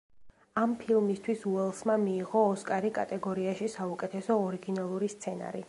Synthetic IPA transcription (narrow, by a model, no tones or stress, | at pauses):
ampʰilˠmist̪ʰwisuɛlˠsmamiːʁɔːskʼaɾikʼa̰t̪ʼɛɡɔɾiaʃisaukʼɛt̪ʰɛsɔːɾiɡinalˠuɾist̪sʰɛna̰ɾḭ